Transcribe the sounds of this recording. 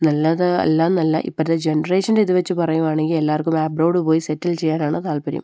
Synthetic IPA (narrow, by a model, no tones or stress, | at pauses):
nɐlːɐðɐ̰lːanːɐlːɐ̰ʔḭpːɐɾðed͡ʑenɐreːʂɐndeiðuʋɐt͡ɕːupɐrɐjuʋaːɳe̞ŋɡile̞lːaːrkumaːbroːɽupo̞ːjisetːilt͡ɕejːaːnaːɳɨt̪aːlpɐɾjḭm